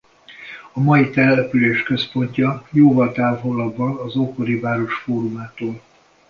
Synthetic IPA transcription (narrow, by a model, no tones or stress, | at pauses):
ɒmɒjit̪ɛlːɛpyleːʃkø̞spo̞ɲcɒjoːvɒlt̪aːvolɒdbɒnɒzoko̞ɾivaːɾo̞ʃfoːɾumaːt̪oːl